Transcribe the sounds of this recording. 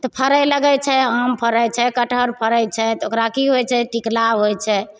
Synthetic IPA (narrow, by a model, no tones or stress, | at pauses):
t̪ɔpʰəɾəjləɡɛjt͡ʃʰɛəmpʰəɾəjt͡ʃʰɛkəʈʰəɾpʰəɾəjt͡ʃʰɛt̪okɾakiɦojt͡ʃʰɛʈiklaɦojt͡ʃʰɛ